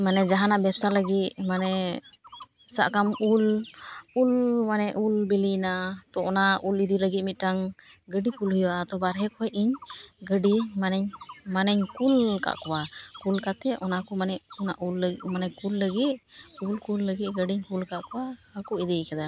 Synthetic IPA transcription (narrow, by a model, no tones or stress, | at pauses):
manɛd͡ʒaɦanaʔbɛpsaləɡit̪̚manɛ | sa̰ʔkamul | ulmanɛʔulbilinat̪ɔʔɔnaʔulid̪iləɡit̪̚mit̪̚ʈaŋ | ɡəɖikulɦujwaʔat̪ɔbaɾɦɛkɔjʔiɲɡəɖimanɛɲmanɛɲkulka̰ʔkɔwakulkat̪ɛʔɔnakɔmanɛʔɔnaʔulːəmanɛkulːəɡit̪̚kulkulːəɡit̪̚ɡəɖiɲkulkaʔkɔwahakɔid̪ikɛd̪a